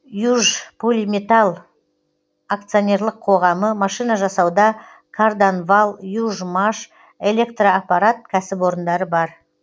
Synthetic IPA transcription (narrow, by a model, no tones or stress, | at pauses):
juʒpʰulʲmʲet̪alˠ | ak̚t̪sɨonʲe̞rlˠəqʰːo̞ʁɑməmɑʃijnɑʒɑsɑwd̪ɑ | kʰard̪onvalˠjuʒmaʃ | e̞lʲe̞kt̪raːpɑɾat̪̚kʲʰæsɪpwo̞ɾənd̪ɑɾəbɑɾ